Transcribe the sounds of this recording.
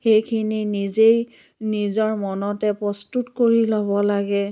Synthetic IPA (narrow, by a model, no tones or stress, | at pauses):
xejkʰininizej | nizɔɹmɔnɔtɛpɹɔstutkoɹilɔβɔlaɡɛ